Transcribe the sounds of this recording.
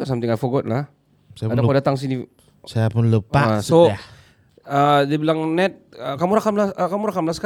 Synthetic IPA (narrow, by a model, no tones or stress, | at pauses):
asamt̪iŋajfɔɡɔt̪̚lah | saaadakodat̪aŋs̬ini | sajapʊnləpasoa | ədibilaŋnɛt̪̚əkamuɾakamlakamuɾakamlaska